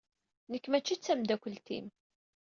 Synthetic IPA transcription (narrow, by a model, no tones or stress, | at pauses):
nəkːmæt͡ʃːit͡sːæmd̪ækʷəlt̪ḭn